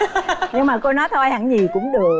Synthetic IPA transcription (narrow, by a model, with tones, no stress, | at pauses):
ɲɨ˧ŋmaː˨˩ko˧nɔ˨˦jt̪ʰo˧jha̰˧˩ŋɲi˨˩kʊ̰˧˥ŋ͡mɗɨ˨˩ək̚